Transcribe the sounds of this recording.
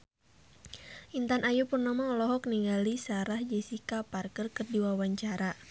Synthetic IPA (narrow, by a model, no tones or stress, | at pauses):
ʔint̪anʔajupurnamaŋlɔɦɔk̚niŋɡalisaɾahd͡ʒɛsikaparkərkərdiwawaɲt͡ʃaɾa